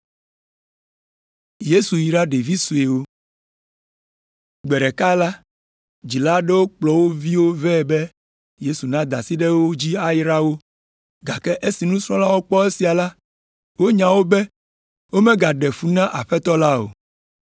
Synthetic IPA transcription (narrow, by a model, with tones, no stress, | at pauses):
je˦su˨ji˨ɖa˦ɖe˨vi˦su˨e˨wo˦ | ɡ͡bɛ˨ɖɛ˨ka˦la˦ | d͡ʑi˨la˦ɖɛ˦wo˦k͡plɔ˨wo˦vi˦wo˦vɛ˦˨bɛ˦ | je˦su˨nã˦d̪a˨si˦ɖe˦wo˦d͡ʑi˦a˦jɾa˦wo˦ | ɡa˨kɛ˦ʔe˦si˨nũ˦sɾ̃ɔ̃˦la˦wo˦k͡pɔ˦e˦si˨a˨la˦ | wo˦ɲã˨wo˦bɛ˦ | wo˦mɛ̃˦ɡa˨ɖɛ˨ɸu˦nã˦ʔa̰˨ɸɛ˦t̪ɔ˦la˦o̰˨